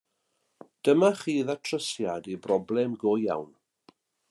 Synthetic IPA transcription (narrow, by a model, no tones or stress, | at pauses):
d̥əmaχiːðatʰrəsjadibrɔblɛmɡoːja̰wn